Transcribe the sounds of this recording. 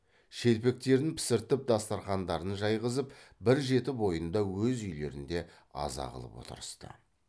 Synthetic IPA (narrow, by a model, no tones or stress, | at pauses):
ʃe̞lpe̞k̚t̪e̞ɾɪŋpʰɪ̥sɪɾt̪ɪp̚d̪ɑst̪ɑɾχɑnd̪ɑɾənʒɑjʁəzəpbɪɾʒe̞t̪ɪbo̞jənd̪ɑwɵzʏjle̞̰ɾɪ̰nd̪e̞ | ɑ̰zɑ̰ʁə̰lˠə̰pwo̞̰t̪ə̰ɾəst̪ə̰